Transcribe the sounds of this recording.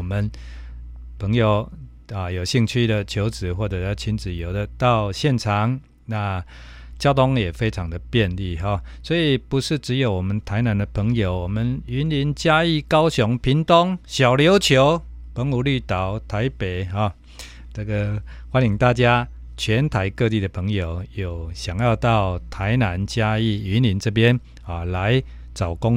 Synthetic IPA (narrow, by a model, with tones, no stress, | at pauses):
mə˨n | pʰə˧˦˥ŋjo˨˩ʊ | ə˨jo˨˩ʊɕi˥˧ŋt͡ɕʰy˥˩d̪ə˨t͡ɕʰjo˨˧˥ʊt͡sɹ̩˨˩wɔ˥˩ʈ͡ʂə˨˩˥t͡ɕʰi˧˥nt͡s̩˨˩jo˨˩ʊd̪ə˦t̪a˥˧ʊɕjɛ˥˩nʈ͡ʂʰɑ˨˦ŋ | na˥˧ | t͡ɕjɑ˥ʊt̪o˥˦ŋjɛ˨˩fe˥ɪʈ͡ʂʰɑ˨˥ŋd̪ə˨pjɛ˥˧nli˥˨ɦɔ˨swɔ˧˥i˨pu˧˦ʂɻ̩˥˨˩ʈ͡ʂɻ̩˧˦jo˨˩ʊwɔ˨˩mə˨nt̪ʰa˧˦ɪna˧˦nd̪ə˨pʰə˧˥ŋjo˨˩ʊwɔ˨˩mə˨ny˧˥nli˧˦nt͡ɕja˦i˥˩kɑ˥ʊɕjɔ˨˧˥ŋpʰi˨˥ŋt̪o˦˥ŋɕja˨˩ʊljo˨˧˥ʊt͡ɕʰjo˧˥ʊ | pə˧˥ŋu˨˩ly˥˩t̪a˨˩˦ʊt̪ʰa˧˥ɪpe˨˩˦ɪɦɔ˥˩ | na˥˩ɡə˨xwa˥˦ni˨˩ŋt̪a˥˩t͡ɕja˦ | t͡ɕʰɥɛ˧˦nt̪ʰa˧˥ɪkɤ˥˧t̪i˥˩d̪ə˩pʰə˧˦ŋjo˨˩ʊjo˨˩ʊɕja˨˩ŋjɑ˥˧ʊt̪ɑ˥˩ʊt̪ʰa˧˥ɪna˧˦nt͡ɕja˦˥i˥˩˨y˨˦nli˧˥nt͡sɤ˥˧p̬jɛ˦n | ɔ˨la˨˧˦ɪ | t͡sa˨˩ʊkʊ˦ŋ